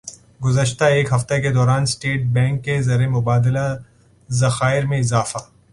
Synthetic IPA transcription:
ɡʊzəʃt̪aeːkɦɐft̪eked̪ɔːɾaːnsʈeːʈ̚bɛ̃ːŋkːezɐɾemʊbaːd̪ɪla | zɐxaːɪɾmẽɪzaːfa

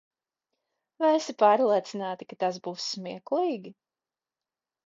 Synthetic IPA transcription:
vajɛsipaːɾlˠiɛt̪sinaːt̪ikat̪asbuːssmiɛkliːɡʲi

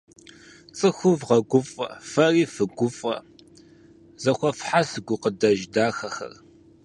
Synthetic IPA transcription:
t͡sʼɨxʷʊvʁɐɡʷʊfʼɐ̰fɐriːfɨɡʷʊfʼɐ̰ | z̥ɐxʷɔfħasɨɡʷʊqədɐʒdaːxɐxɐ̰r

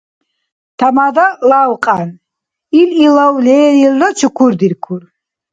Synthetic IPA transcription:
t̪ʰamad̪alaːwqʼan | ililawlɛːɾilːat͡ʃʰukʰuɾd̪iɾkʰuɾ

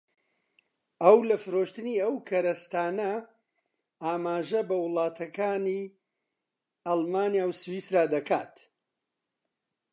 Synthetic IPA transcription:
ɐwlɐfɨɾoʃt̪ɨniːɐwkʰɐɾɐst̪aːnɐ | aːmaːʒɐbɐwɨlˠaːt̪ʰɐkaːniː | ɐlˠmaːnjaːwswiːsɾaːd̪ɐka̰ːt̪

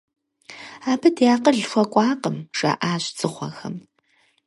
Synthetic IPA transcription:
aːbɨdjaːqəɮxʷɐkʷʼɑːqəmʒ̥ɐ̰ʔaːɕt͡sʼɨχʷɐ̰xɐm

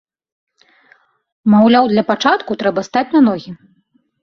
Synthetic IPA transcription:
mawlʲawd̪lʲɐpat͡ʂat̪kut̪ɾɛbɐst̪at͡sʲnɐnɔɣʲi

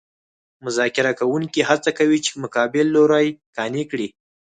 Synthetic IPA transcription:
mʊzɑkɪɾakawuŋkiɦat͡sakawit͡ʃe̥mʊkɑbɪlːoɾajkɑnikɽi

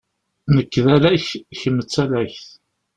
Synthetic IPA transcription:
nəkːðælæççəmːət͡sːælæçθ

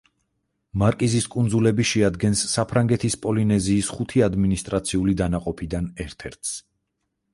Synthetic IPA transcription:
maɾkʼiziskʼund̪zulɛbiʃɛad̪ɡɛnsːapʰɾaŋɡɛt̪ʰispʼɔlinɛziːsχut̪ʰiad̪minist̪ʼɾat̪sʰiulid̪anaqʼɔpʰid̪anɛɾt̪ʰɛɾt̪ʰs

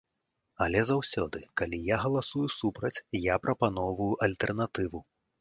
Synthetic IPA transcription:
ɐlʲɛzawsʲɔ̰d̪ɨkalʲijaɣɐlˠasujusupɾɐt͡sʲjapɾʔɐpanɔwvujuʔɐlʲt̪ɛrnat̪ɨvu

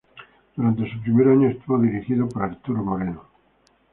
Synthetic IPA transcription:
d̪̥uɾant̪e̞supɾimeɾaɲoest̪uβoðiɾixiðopaɾaɾt̪uɾomoɾeno

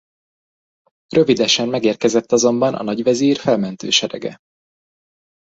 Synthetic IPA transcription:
rø̞vid̪ɛʃɛmːɛɡeːrkɛzɛt̪ːɒzo̞mbɒnʔɒ̰nɒɟʋɛziːrfɛlmɛnt̪ø̰ːʃɛɾɛ̰ɡɛ̰

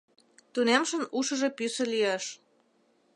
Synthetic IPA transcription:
t̪unemʃə̆nuʃə̆ʒepysə̆liɑʃ

